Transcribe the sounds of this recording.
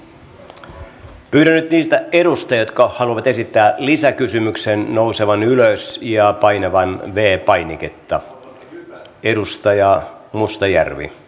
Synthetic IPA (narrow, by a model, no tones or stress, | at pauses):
pyːɾænːyt̪niːst̪æeɾust̪ɑjot̪kɑhɑluɑʋɑt̪esit̪ːæːlisækysymyksennouseʋɑnyløsjɑpɑineʋɑnʋeːpɑjniket̪ːɑ | eɾust̪ɑjɑ | must̪ɑjæ̰rʋḭ